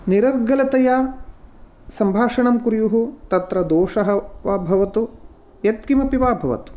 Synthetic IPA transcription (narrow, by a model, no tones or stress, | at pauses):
niɾɐɾɡɐlɐt̪ɐjaː | sɐmbʱaːʂɐɳɐmkuɾjuɦut̪ɐt̪ɾɐd̪oːʂɐɦɐʋɐbʱɐʋɐt̪u | jɐt̪̚kimɐpiʋaːbʱɐʋɐ̰t̪u̥